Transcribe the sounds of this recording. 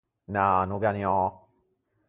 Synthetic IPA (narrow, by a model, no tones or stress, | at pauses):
nanoɡaniɔ